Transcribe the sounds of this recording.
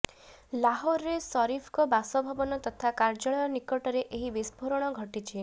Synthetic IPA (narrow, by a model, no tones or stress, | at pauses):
laɦoɾɾesɔɾipʰɔ̥kɔbasɔbʱɔbɔnɔt̪ɔt̪ʰakaɾd͡ʒɔɭɔjɔnikɔʈɔɾeʔeɦibisbʱoɾɔɽ̃ɔɡʱɔʈit͡ʃʰi